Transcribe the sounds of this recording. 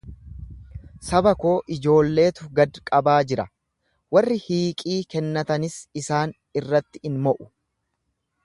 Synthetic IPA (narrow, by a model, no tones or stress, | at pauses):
sɐbɐko̞ːʔɪd͡ʒo̞ːlːe̞ːt̪ʊɡɐd̪kʼɐbaːd͡ʒɪɾɐ | wɐrːɪhiːkʼiːkɛnːɐt̪ɐnɪsɪsaːn | ɪrːɐt̪ːɪ̥ɪnmɔʔʊ̥